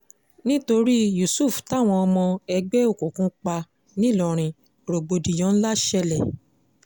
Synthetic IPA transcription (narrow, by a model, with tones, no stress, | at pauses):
nĩ˦to˧ɾi˦ju˨su˦˨fta˦˨w̃ɔ̃˧ɔ˧mɔ̃˧ɛ˧ɡ͡bɛ˦o˦˨ko˨kũ˧˦k͡pa˧ | nĩ˦˨lɔ˧ɾ̃ĩ˧ | ɾo˨ɡ͡bo˧di˨j̃ɔ̃˨˦n̩˦la˦ʃɛ˧lɛ˨